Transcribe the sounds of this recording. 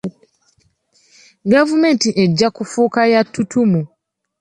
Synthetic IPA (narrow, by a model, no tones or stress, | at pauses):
ɡavume̞ːntiʔeɟːakufuːkajatʰːutʰumu